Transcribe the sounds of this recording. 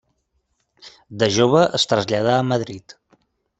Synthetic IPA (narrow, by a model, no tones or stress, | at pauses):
d̪əʒoβ̞əʔəst̪ɾəzʎað̞aəməðɾit̪